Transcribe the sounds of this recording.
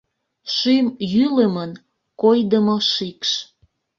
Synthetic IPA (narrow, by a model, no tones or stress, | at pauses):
ʃymjyləmən | kojd̪əmoʃikʃ